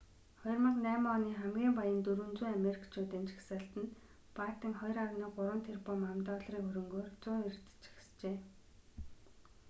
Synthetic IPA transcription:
χɔj̆rmə̆qnæːmːniːχæmɡʲiːmpajə̆nt̪uɾɵ̆nt͡suːameɾʲikt͡ɕʰuːt̪eːnt͡ɕɪ̥xsə̆ɬt̪ɘ̆n | pat̪ĭŋχɔjrawniːɢʊɾwə̆nt̪ʰerpɔmamt̪ɔːɮriːŋkxɵɾɵ̆ŋɡoːrt͡sʊːŋert͡s̪ɘ̥̆t͡ɕxst͡ɕeː

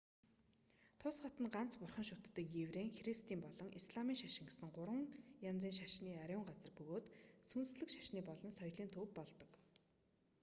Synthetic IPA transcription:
t̪ʰʊsχɔt̪ə̆nɢan̥t͡spʊrχə̆nʃʊt̪ːə̆kjewreːŋxrist̪iːmpɔɮɞ̆ŋʔisɮamiːŋʃaʃɪ̆ŋɡesɘ̆ŋɢʊɾwə̆ŋjant͡siːŋʃaʃniːaɾʲʊːŋɢat͡sə̆rpɵɣoːt̪sunsɮɘ̆kʃḁʃniːpɔɮɞ̆nsɔjɮiːnt̪ʰɵwppːɔɮt̪ɞ̆k

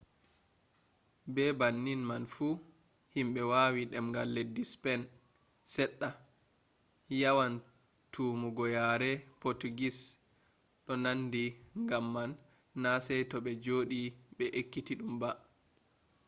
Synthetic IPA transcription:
bɛbanːinmanfu | himɓɛwaːwiɗɛmŋɡalːɛdispɛn | sɛɗːa | jawan | tʰuːmuɡɔjaɾɛpotuɡis | ɗɔnandiŋɡamːanː | asɛjtɔɓɛd͡ʒoːɗiɓɛʔekːitiɗumba

